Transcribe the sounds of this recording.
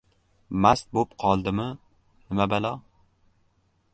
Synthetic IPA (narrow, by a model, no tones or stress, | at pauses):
mast̪̚bopqʰɒlˠd̪ɪmɪ | nɪmabalɒ